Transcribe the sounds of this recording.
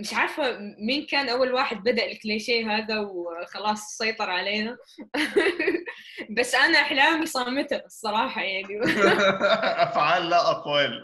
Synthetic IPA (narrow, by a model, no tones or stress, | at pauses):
mɪʃʕaɾˤfamiːnkaːnʔawːalwaːħɪd̪̚bad̪aʔlɪkleːʃeːɦaːðawxɑlɑːsˤsɑjt̪ˤɑɾˤʕaleːna | basːʔanaʔɪħlaːmisˤɑːmɪt̪asˤːɑɾˤɑːħɑjaʕni | ʔafʕaːlːaʔaqwal